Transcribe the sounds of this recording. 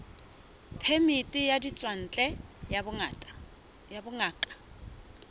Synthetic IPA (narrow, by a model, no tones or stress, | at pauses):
pʰemɪtʼɪjadit͡sʼwan̩t͡ɬʼɛ | jabʊŋaːkʼḁ